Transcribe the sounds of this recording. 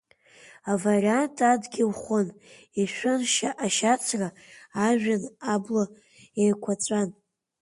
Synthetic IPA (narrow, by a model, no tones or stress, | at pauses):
avarʲantʼadɡʲilχʷon | iʃᶣʷʊnʃaʔaʃat͡sʰraː | ʒᶣanablo | ejkʷʰat͡sʷʼan